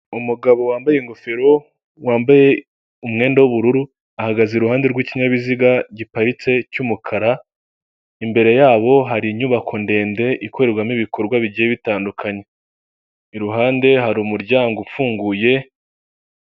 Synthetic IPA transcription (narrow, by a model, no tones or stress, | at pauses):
umuɡaβo̞waːmbajeŋɡo̞feɾo̞ | waːmbaje̞ | umŋe̞ːndawuβuɾuɾu | ahaɡazeɾuhaːnde̞ɾɡwiciɲaβiziɡaɟipaɾit͡se̞cumukʰaɾa | imbe̞ɾe̞jaːβo̞ɦaɾiɲuβakʰo̞nde̞ːnde̞ʔikʰo̞ɾeɾɡwamiβikʰo̞ɾɡwaβiɟijeβitaːndukʰaɲe̞ | iɾuɦaːnde̞ɦaɾumuɾɟaːŋɡufuːŋɡuje̞